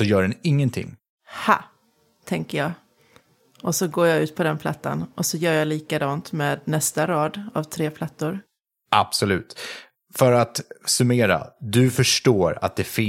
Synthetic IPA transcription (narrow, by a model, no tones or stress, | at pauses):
ɔjœːɖɛnɪŋːənt̪ʰɪ̰ŋː | ha | t̪ʰɛŋkəjɑː | ʔɔsɔɡoːjɑʉ̟ːt̪̚pʰɔd̪ɛnpʰla̰t̪ːa̰nɔsɔjœːɾjɑliːkad̪ɑːnt̪meːd̪nɛst̪aɾɑːd̪a̰vt̪ʰɾeːpʰlat̪ːʊɾ | ʔab̥sɔlʉ̟ːt̪ | fœɾat̪sɵmeːɾa̰d̪ɵfœʂʈoːɾa̰t̪̚d̪ɛfɪ